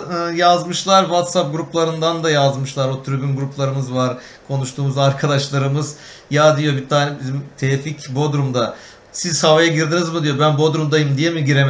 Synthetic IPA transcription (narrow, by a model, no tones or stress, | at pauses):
ɯːjazmɯʃlˠaɾvat̪sap̚ɡuɾuplˠaɾɯnd̪and̪ajazmɯʃlˠaɾot̪ʰyɾybynɡuɾuplˠaɾɯmɯzvaɾ | kʰo̞nuʃt̪ʰuːmuzaɾkʰad̪aʃlˠaɾɯmɯz | jad̪ijo̞bit̪ʰaːnɛbizimt̪ʰɛficbod̪ɾumd̪a | siz̥havajaɟiɾd̪inizmud̪ijo̞bænbuod̪ɾumd̪ajɯmd̪ijemiɟiɾem